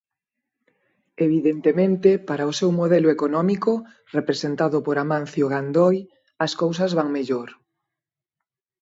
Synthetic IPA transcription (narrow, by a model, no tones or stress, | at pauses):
eβ̞iðent̪emẽnt̪ɪpaɾaʊsewmoðɛlʊekonɔmikʊ | repɾesent̪aðʊpoɾamãn̟θjoɣand̪ɔj | ɐskows̬ɐzβaŋmeʎoɾ